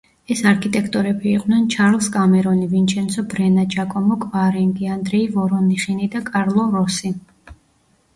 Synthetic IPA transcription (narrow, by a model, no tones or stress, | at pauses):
ɛsaɾkʰit̪ʼɛkʰt̪ʼɔɾɛbiːqʼnɛnt͡ʃʰaɾlˠskʼamɛɾɔnivint͡ʃʰɛnsʰɔbɾɛnat͡ʃʰʼakʼɔmɔkʼvaɾɛŋɡiand̪ɾɛivɔɾɔniχinid̪akʼaɾlˠɔɾɔsi